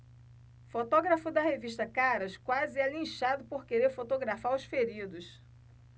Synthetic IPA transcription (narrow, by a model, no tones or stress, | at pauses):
fot̪ɔɡɾɐfʊd̪ɐheviʃt̪ɐkaɾɐskwazɪalĩʃad̪ʊpoɾkeɾeɾfot̪oɡɾafaɾʊsfeɾid̪ʊs